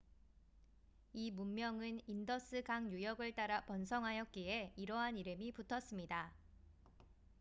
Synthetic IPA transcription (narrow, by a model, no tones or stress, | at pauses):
imumːjʌŋɯnindʌs͈ʰɯɡaŋjujʌɡɯɭt͈aɾapʌnsʰʌŋɦajʌk̚k͈ieiɾʌɦaniɾɯmiputʰʌs͈ɯmɲida